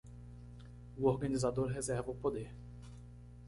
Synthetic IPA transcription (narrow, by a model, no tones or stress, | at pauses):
uoɾɡanizad̪oɾɦezɛɾvopod̪eɾ